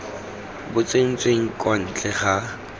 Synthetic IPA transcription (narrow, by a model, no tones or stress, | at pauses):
bʊt͡sʼeŋ̩t͡sʼweŋ̩kʼwan̩t͡ɬʼɛχa